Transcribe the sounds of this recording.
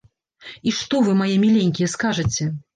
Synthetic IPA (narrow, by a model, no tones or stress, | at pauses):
iʂt̪ɔvɨmajɛmʲilʲeŋʲkʲijɛskaʐɐt͡sʲɛ